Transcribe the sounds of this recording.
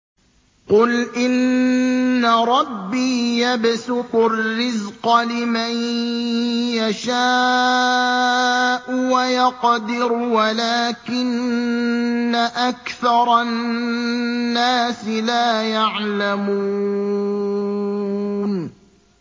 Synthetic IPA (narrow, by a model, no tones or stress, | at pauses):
qʊlʔɪnː | aɾˤɑbːiːjabsʊqʊrrːɪzqɑlɪman | jaʃaː | ʔʊwajɑqd̪ɪɾwalaːkɪnː | aʔakθɑɾˤɑ | aːsɪlaːjaʕlamuuː | n